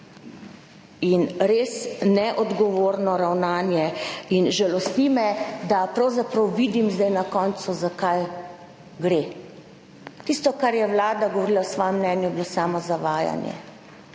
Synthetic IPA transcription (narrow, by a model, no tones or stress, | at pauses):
inɾeːsnɛʔɔd̪ɡɔʋoːɾnɔɾawnaːnjɛinʒɛlɔst̪nimɛd̪apɾawzapɾawʋid̪imzd̪ajnakɔːnt̪suzakaj | ɡɾe | t̪ist̪ɔkaɾjɛwlaːd̪aɡɔʋɔɾiːlawsʋɔːjɛmːnɛːnjubilosaːmɔzaʋaːja̰njɛ̰